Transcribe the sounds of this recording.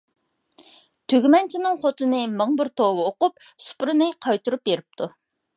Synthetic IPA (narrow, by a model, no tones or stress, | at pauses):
t̪ʰøɡʲmɛnt͡ʃʰinɨŋχot̪ʰɨnɨməŋbɪɾt̪ʰowɨoqʊp̚su̥pɾɨnɨqʰɑjt̪uɾup̚jeɾɪp̚t̪ʰu